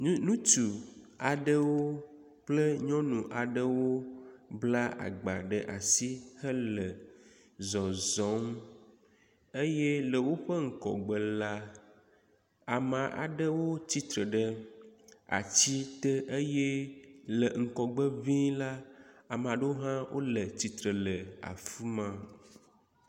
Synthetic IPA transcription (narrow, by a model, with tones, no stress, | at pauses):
nũ˦t̪u˨ | a˨ɖə˦wo˦ | plə˦ɲɔ̃˦nũ˨ʔa˨ɖə˦wo˦bla˦ʔa̰˨ɡ͡ba̰˨ɖə˨ʔa̰˨si˦hə˦lə˨ | zɔ˨zɔ̃˨˦ŋ˦ | e˦je˦lə˨wo˦ɸə˦ŋ̩˨kɔ̰˨ɡ͡bə˨la˦ | a˨mã˨ʔa̰˨ɖə˦wo˦t͡ɕi˦t̪ɾə˨ɖə˦ | a̰˨t͡ɕi˦t̪ə˦ʔe˦je˦lə˨ŋ̩˨kɔ˨ɡ͡bə˦vĩ˦la˦a˨m˨a˨ɖə˦wo˦ɦã˦wʔo̰˦lə˨t͡ɕi˨t̪ɾə˨lə˨a̰˨fi˦mã˦